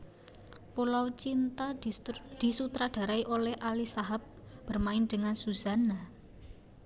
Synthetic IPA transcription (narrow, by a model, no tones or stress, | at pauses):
polawt͡ʃint̪ad̪̥i̤sut̪ɾaɖ̥a̤ɾaiʔolɛhʔalisaɦap̚b̥ərmaɪnɖ̥əŋansuz̥a̤na